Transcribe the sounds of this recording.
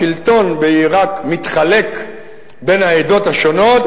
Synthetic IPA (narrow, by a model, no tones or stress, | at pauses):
ilt̪o̞nbeiʁakmit̪χale̞k | be̞naed̪o̞t̪haʃo̞no̞t̚